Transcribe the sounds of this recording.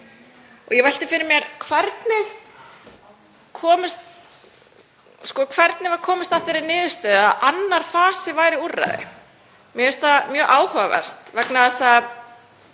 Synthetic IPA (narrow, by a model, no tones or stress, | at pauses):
ɔ̰ɣjɛvɛjlt̪ɪfɪɾɪmjɛɾkʰvɛɾt̪nɪ | kʰɔːmɪst̪ | skɔkʰvɛɾt̪nɪvaɾ̥kʰɔːmɪst̪aθeɾɪnɪːðʏst̪œːðaʔanːaɾ̥faːsɪvaːjɾɪurːa̰jðɪ̰ | mjɛɛst̪amjœːʔaːwhœvavɛ̰r̥t̪vɛknaðɛsa